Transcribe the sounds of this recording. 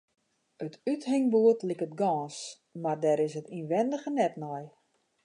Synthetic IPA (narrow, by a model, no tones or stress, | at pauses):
ətʰythɪŋbuətlikət̚ɡɔːns | mardɛːɾɪsətinʋɛndəɣənɛtnɔj